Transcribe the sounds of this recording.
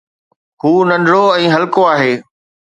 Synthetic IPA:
ɦuːnɐnɾoɛ̃ːɦɐlkoaːɦeː

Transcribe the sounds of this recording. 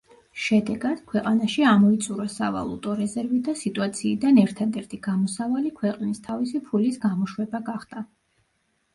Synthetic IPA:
ʃɛd̪ɛɡad̪̥kʰwɛqʼanaʃiamɔit̪sʼuɾasava̰lˠṵt̪ʼɔɾɛzɛɾvid̪asit̪ʼuat̪sʰiːd̪anɛɾt̪ʰad̪ɛɾt̪ʰiɡ̥amɔsavalikʰwɛqʼnist̪ʰavisipʰulisɡamɔʃwɛbaɡaχd̪̥a

